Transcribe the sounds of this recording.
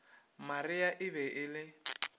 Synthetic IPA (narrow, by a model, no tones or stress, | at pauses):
mariaʔɪβɛʔɪlɪ